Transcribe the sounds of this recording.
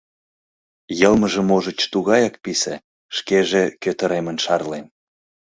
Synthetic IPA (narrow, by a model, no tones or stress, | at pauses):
jɤlməʒə̆moʒə̆t͡ɕt̪uɣɑjɑk̚pisḛ | ʃkeʒekøt̪ə̆ɾemənʃɑrlen